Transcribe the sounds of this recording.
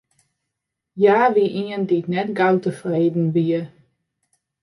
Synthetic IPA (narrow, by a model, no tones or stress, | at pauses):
jaːʋiʔiənditnɛtɡawtəfreːdn̩ʋiə